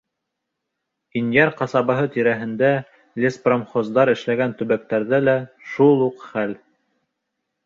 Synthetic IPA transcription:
injɑɾqɑsɑβɤ̆ɦɤt̪iɾæɦɘ̆nd̪æ | lʲespromχozd̪ɑɾɘ̆ʃlæɡænt̪ɵ̆βæk̚t̪æɾðælæʃulˠuqχæl

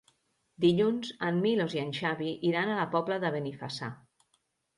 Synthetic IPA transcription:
d̪iʎunzəmːiloziənʲʃaβiʔiɾanalapɔbləðəβenifasa̰

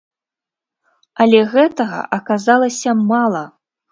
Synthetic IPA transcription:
ɐlʲɛɣɛt̪ɐɣɐ̰ʔɐkazalˠɐsʲɐmalˠɐ

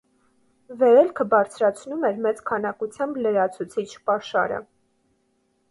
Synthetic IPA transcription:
vɛɾɛlkʰəbɑɾt͡sʰɾɑt͡sʰnumɛɾmɛt͡skʰɑnɑkut͡sʰjɑmbləɾɑt͡sʰut͡sʰit͡ʃʰpɑʃɑ̰ɾə̰

